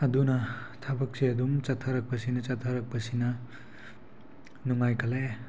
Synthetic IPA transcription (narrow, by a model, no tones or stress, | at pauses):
ɐdunɐt̪ʰabɐk̚seɐdumt͡ʃɐtʰɐɾɐk̚pɐsinɐt͡ʃɐtʰɐɾɐk̚pɐsinɐ | nuŋajkʰɐle